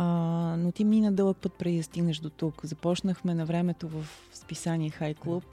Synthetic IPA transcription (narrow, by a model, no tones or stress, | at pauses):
not̪iminɐd̪ɤlˠək̚pɤt̪̚pɾɛd̪id̪ɐst̪iɡnəʃd̪ot̪ukzɐpɔt͡ʃnəxmɛnɐvɾɛmɛt̪ovəf | spisaniɛxajklˠup̚